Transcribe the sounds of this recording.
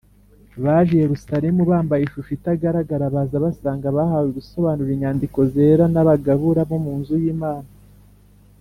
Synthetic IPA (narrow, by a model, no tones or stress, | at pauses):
βaʒijeɾusaɾemuβaːmbajeʃufitaɡaɾaɡaɾaβazaβasaːŋɡaβahawiɡuso̞βaːnuɾiɲaːndiko̞ze̞ːɾanaβaɡaβuɾaβomuːnzujiːmaːna